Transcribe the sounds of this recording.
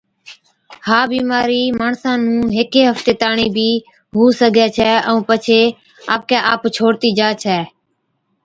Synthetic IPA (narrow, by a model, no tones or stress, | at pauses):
haːbiːmaːɾiːmaːɳsãːnũːɦɪkeːɦəft̪eːt̪aːɳiːbʱiː | ɦuːsəɡʱeːt͡ʃʰɛːəũːpət͡ʃʰeː | a̰ːp̚kɛːʔaːpt͡ʃʰoːɽt̪iːd͡ʒaːt͡ʃʰɛː